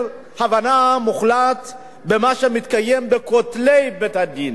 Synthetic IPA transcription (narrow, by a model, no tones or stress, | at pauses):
havanamuχlat̪ | bemaʃemit̪kajembekot̪lejbet̪had̪in